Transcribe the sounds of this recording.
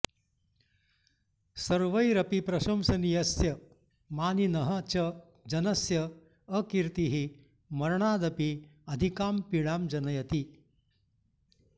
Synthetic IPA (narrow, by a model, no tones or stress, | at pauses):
sɐɾʋɐjɾɐpipɾɐɕɐmsɐnijɐsjɐ | maːninɐɦɐt͡ɕɐ | d͡ʒɐnɐsjɐː | kiɾt̪iɦi | mɐɾɳ̃aːd̪ɐpiɐd̪ʱikaːmpiɭaːmd͡ʒɐnɐjɐt̪i